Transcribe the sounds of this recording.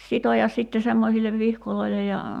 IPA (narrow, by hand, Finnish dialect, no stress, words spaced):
sitojɑs sitːe semːosilːeʋ ʋihkoloilej jɑ